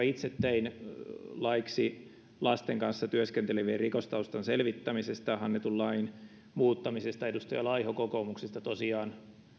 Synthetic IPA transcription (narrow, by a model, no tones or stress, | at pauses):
ɑit̪set̪ːein | lɑiksi | lɑst̪eŋkɑnsːɑt̪yøskent̪eleʋierrikost̪ɑust̪ɑnselʋit̪ːæmisest̪ɑhɑnːet̪ullɑin | muːt̪ːɑmisest̪ɑedust̪ojɑlɑihokokomuksest̪ɑt̪osiɑːn